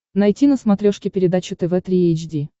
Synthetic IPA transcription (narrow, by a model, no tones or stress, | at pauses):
nɐjtʲinəsmɐt̪ɾʲoʂkʲɪpʲɪɾʲɪd̪at͡ɕɪt̪ɛvɛt̪ɾʲiejt͡ɕdʲi